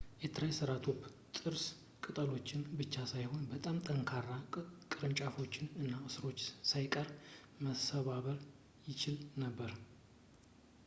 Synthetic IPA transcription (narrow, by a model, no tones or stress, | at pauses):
jɛt̪ʰɨɾajsɨɾat̪ʰob | t̪ʼɨɾs | kʼɨt̪ʼəlo̞t͡ʃːɪnbɨt͡ʃːasajho̞nbət̪ʼamt̪ʰʼəŋkʰarːakʼɨɾɨnt͡ʃʼafo̞t͡ʃːɪnɨnːaɨsɨɾo̞t͡ʃːsajkʼəɾ | məsəβaβəɾ | jɪt͡ʃʰɪlnəbːəɾ